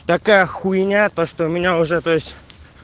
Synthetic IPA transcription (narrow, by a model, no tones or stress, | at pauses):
t̪ɐkajəxʊjɪnʲat̪oʂt̪oʊmʲɪnʲaʊʐɛt̪ojɪsʲtʲ